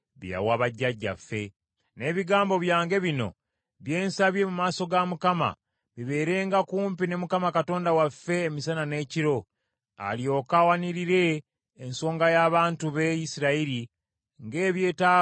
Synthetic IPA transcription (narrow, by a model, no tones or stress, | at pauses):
βja̰waβaɟːaɟːa̰fːe̞ | ne̞ːβiɡaːmbo̞βjaːŋɡe̞βino̞̰ | βje̞ːnsaβje̞mumaːso̞ɡamukama̰ | βiβe̞ːɾe̞ːŋɡakuːmpine̞mukamakato̞ːndawafːe̞ːmisanane̞ːciɾo̞ | a̰lio̞ːkawaniɾiɾe̞ː | nso̞ːŋɡajaːβaːntuβejisiɾaiɾi | ŋɡe̞ːβje̞ːtaː